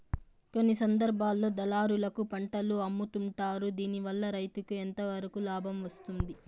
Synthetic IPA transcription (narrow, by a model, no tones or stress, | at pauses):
ko̞nːisɐnd̪ɐɾbʱaːlːo̞ːd̪ɐlaːɾulɐkupɐɳʈɐluɐmːut̪uɳʈaːɾud̪iːniʋɐlːɐɾɐjt̪ukue̞nt̪ɐʋɐɾukulaːbʱɐmʋɐst̪und̪i